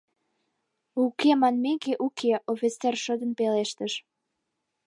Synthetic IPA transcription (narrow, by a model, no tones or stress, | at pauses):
ukemɑnmekeʔukʰeʔofʲit͡sːerʃəd̪əmpeleʃt̪əʃ